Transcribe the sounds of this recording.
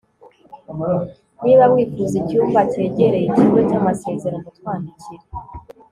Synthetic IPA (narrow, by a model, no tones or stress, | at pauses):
niβamwiːkuɾuzicuːmvate̞ːɟe̞ɾe̞jiciɡecamase̞ːze̞ɾamutwaːndiciɾe